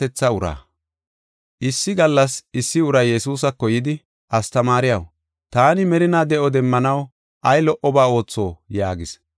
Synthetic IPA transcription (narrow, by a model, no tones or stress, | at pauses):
ɛt͡sːɐʊɾa̰ː | ʔɪsːɪɡɐlːɐsɪsːɪʊɾɐjːɛsuːs̬ɐkːɔjɪd̪ɪ | ɐst̪ɐmaːɾɪjɐ̰w | t̪aːnɪmɛɾɪnaːd̪ɛʔɔd̪ɛmːɐnɐw | ɐjlɔʔɔbaːo̞ːt͡sːo̞ːjaːɡɪs